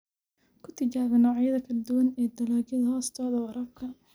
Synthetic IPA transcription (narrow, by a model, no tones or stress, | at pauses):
kʰʊt̪ʰɪt͡ʃaːβɪnɔːʕjɐðɐkʰɐld̪ʊwɐnɛːd̪ɐlaːd͡ʒɪðɐhɔːst̪ʰɔːðɐwɐɾʔɐfkʰɐ